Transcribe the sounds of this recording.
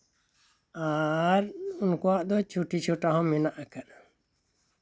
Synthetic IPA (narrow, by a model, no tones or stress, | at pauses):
aɾunkɔwaʔd̪ɔt͡ʃʰuʈʰit͡ʃʰɔʈaɦɔ̃mɛnaʔakan